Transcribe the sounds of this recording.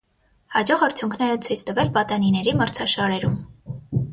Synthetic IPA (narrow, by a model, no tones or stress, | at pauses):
hɑd͡ʒɔʁɑɾt͡sʰjuŋkʰnɛɾət͡sʰujt͡sʰt̪əvɛlpɑt̪ɑninɛɾiməɾt͡sʰɑʃɑɾɛɾum